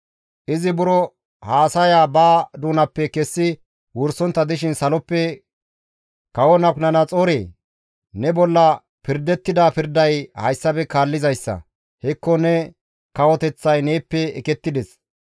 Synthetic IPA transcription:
ʔɪzɪbʊɾɔ | haːsɐjaːbaːd̪uːnɐpːɛkɛsːɪ | wʊɾsɔnt̪ːɐd̪ɪʃ̬ɪnsɐlɔpːɛ | kɐwɔnɐknɐnɐt͡sʼoːɾeː | nɛbɔlːɐ | pɪɾd̪ɛt̪ːɪd̪apɪɾd̪ɐjhɐjsːɐbɛkaːlːɪzɐjsːɐ̰ | hɛkːɔnɛ | kɐwɔt̪ɛt͡sːɐjneːpːɛɛkɛt̪ːɪd̪ɛs

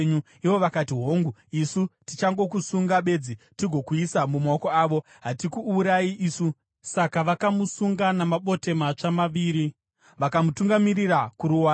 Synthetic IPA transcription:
ɲu | iʋo̞ʋakatiɦoːŋɡuisutit͡ʃaŋɡo̞kusuŋɡaɓe̞d͡zitiɡʱo̞kuisamumaokoaːʋo̞ | ɦatikuːɾaiʔisu | sakaʋakamusuŋɡanamaɓo̞te̞mat͡ʂamaʋiːɾi | ʋakamutuŋɡamirirakuɾuwaː

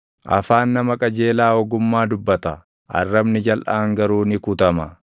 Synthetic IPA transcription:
ʔɐ̰faːnːɐmɐkʼɐd͡ʒe̞ːlaːɔɡʊmːaːd̪ʊbːɐt̪ɐ | ɐ̰rːɐbnɪd͡ʒɐlʔaːŋɡɐɾuːnɪkʊt̪ɐmɐ

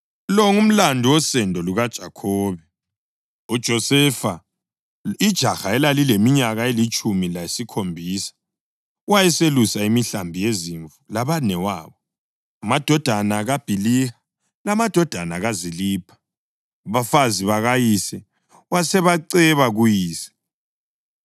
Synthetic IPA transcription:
lɔŋum̩landʱuwɔsɛndʱɔluɣad̥ʒ̥ʱakʰɔːβɛ | ud̥ʒ̥ʱɔsɛfa | id̥ʒ̥ʱaxaɛlalilemiɲaɣaelit͡ʃʼumilaesikʰombʱiːsḁ | wajɛselusaimiɬambʱijeziɱvulaβanɛwaːβɔ | amad̥ʱɔd̥ʱanaɣab̥ʱiliha | lamad̥ʱɔd̥ʱanaɣaziliːpʰḁ | βafaziβaɣajisɛ | wasɛβaǀɛβaɣujiːsɛ̥

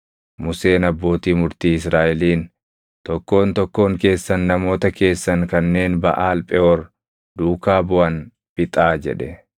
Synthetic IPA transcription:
mʊse̞ːnɐbːo̞ːt̪iːmʊɾt̪iːɪsɾaːʔɛliːn | t̪ɔkːo̞ːnt̪ɔkːo̞ːŋke̞ːsːɐnːɐmo̞ːt̪ɐke̞ːsːɐŋkɐnːe̞ːnbɐ̰ʔaːlpʼɛʔɔɾ | d̪̥uːkaːbʊʔɐn | b̥ɪt̪ʼaːd͡ʒɛ̰ᶑɛ

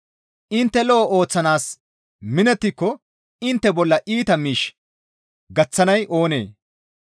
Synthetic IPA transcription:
ʔɪnt̪ːɛlɔːʔo̞ːt͡sːɐnaːs | mɪnɛt̪ːɪkːɔ | ɪnt̪ːɛbɔlːɐʔiːt̪ɐmiːʃ | ɡɐt͡sːɐnɐjʔo̞ːnḛː

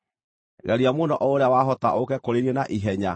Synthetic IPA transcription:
ɣɛɾiamonɔʔɔoɾeawaɦɔtaʔokɛkoɾeɾiɛnaʔiɦɛɲa

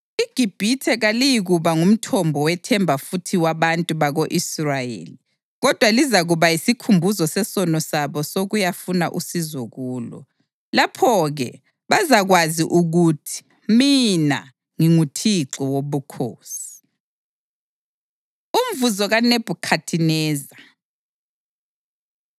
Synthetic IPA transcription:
iɡ̥ʱib̥ʱitʰɛɣalijiɣuβaŋum̩tʰɔmbʱɔwɛtʰɛmbʱafutʰiwaβantʼuβaɣoʔisrajḛːli | ɣɔd̥ʱwalizaɣuβajisikʰumbʱuzɔsɛsɔnɔsaβɔsoɣujafuna̰ʔusizɔɣuːlɔ̰ | lapʰɔɣɛ | βazaɣwaziʔuɣutʰi̥ | mina̰ | ŋiŋutʰiǁɔwoβukʰoːsi̥ | um̩vuzɔɣaneb̥ʱukʰatʰinɛːza

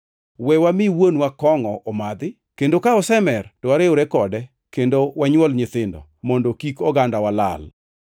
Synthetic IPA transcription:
wɛwamɪwonwakɔŋɔʔɔmad̪ɪ | kendokaɔsɛmɛrtɔwaɾɪʊɾɛkɔdɛ | kendowaɲwɔlɲɪt̪ɪndɔ̰mɔndokikɔɡandawala̰l

